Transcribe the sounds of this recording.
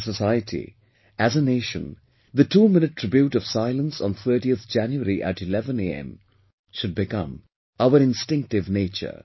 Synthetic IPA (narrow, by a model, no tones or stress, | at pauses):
səsaɪətʰḭ | æzəneːʃə̰̃n | d̪ətʰuːmɪ̃nɨtʰːɾ̥ɪbjuʈɔʋ̥saɪlˠə̃nsɔ̃n̩t̪ʰəːʈiət̪d͡ʒæ̃njuəɾiʔæ̰ʈɨlɛvə̃neɛ̰̃m | ʃʊd̚bɪkʌ̰̃m | aʊəɾɪ̃nstɪ̃ŋk̚ʈɪvneːt͡ʃə̰